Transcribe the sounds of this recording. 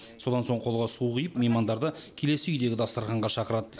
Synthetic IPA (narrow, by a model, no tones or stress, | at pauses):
so̞d̪ɑnsoɴqʰo̞lˠʁɑsuqijəpmejmɑnd̪ɑɾd̪əkʲʰe̞le̞sɪʏjd̪e̞ɡʲɪd̪ɑst̪əɾʁɑɴʁɑʃɑqəɾɑd̪